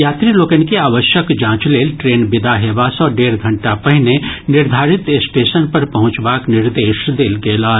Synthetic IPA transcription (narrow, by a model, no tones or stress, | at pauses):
jaːt̪ɾiloːkənkeaːʋəʃjəkd͡ʒãːt͡ʃleːlʈɾeːnbɪd̪aɦeːʋaːsɔːɖeːɾɡʱɐ̃ɳʈapɛɦɪnenɪɾd̪ʱaːɾɪt̪sʈeːʃənpɐɾpɐɦʊ̃t͡ʃbaːknɪɾd̪eːʃd̪eːlɡeːlaː